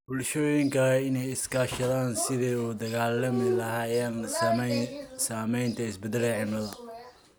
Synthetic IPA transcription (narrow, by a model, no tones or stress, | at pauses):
bʊlʃɔːjɪŋkʰɐlɛɪnɛjɪskʰaːʃɐðaːnsɪðɛːuːd̪ɐɣaːlɐmɪlɐɦaːjaːn | saːmɛjnt̪ʰɐɪsbɛd̪ɛlɛʕɪmɐðɐ